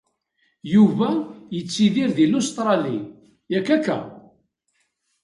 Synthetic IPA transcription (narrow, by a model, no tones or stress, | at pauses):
juvæjət͡sːiðiɾðilost̪ɾˤɑli | jækːækːæ̰